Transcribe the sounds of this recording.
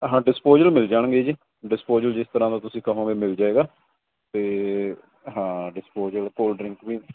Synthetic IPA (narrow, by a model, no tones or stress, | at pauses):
ɦãːɖɪspoːzəlmɪld͡ʒaːɳ̃ɡeːd͡ʒiː | ɖɪspoːzəld͡ʒɪst̪əɾãːd̪aːt̪ʊsĩːkəɦõːɡeːmɪld͡ʒaːeːɡaː | t̪eː | ɦãːɖɪspoːzəlkoːlɖɾɪ̃ŋkʋiːn